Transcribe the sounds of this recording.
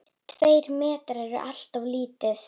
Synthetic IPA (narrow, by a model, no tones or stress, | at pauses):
t̪ʰveːjɾmɛːt̪ɾɛɾʏʔal̥t̪awliːt̪ɪθ